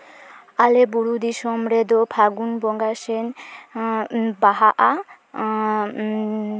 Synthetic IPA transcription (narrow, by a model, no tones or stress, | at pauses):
alɛbuɽud̪iʃɔmɾɛd̪ɔpʰaɡunbɔŋɡasɛn | baɦaʔa